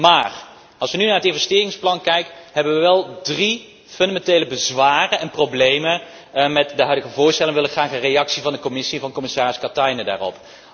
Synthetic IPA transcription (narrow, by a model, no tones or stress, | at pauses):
maːr | ɑlˠsʋənynaːɹətɪnvɛstɪːrɪŋsplɑnkɛjkəɦɛbəʋəʋɛlˠdri | fɵndamɛntejləbəzʋaːrənɛnprowblejmən | mɛtdəɦœɥdəɣəvʊːɹstɛlˠɪŋəʋɪləχraːχərejɑksivɑndəkɔmɪsiɛnvɑnkɔmɪsaːrɪskɑtɑjnəda̰ːrɔ̰p